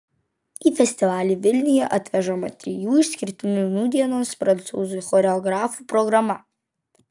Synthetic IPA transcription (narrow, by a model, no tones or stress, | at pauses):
iːfʲɛsʲt̪ʲɪʋɑːlʲiːʋʲɪlʲnʲɪjɛʔɐt̪ʲʋʲɛʒomɐt̪ʲɾʲɪjuːɪʃsʲkʲɪɾʲt̪ʲɪnʲunuːd̪ʲiɛnoːspɾɐnt̪sṵːzʊjxɔɾʲɛɔɡɾɑːfupɾɔɡɾɐmɐ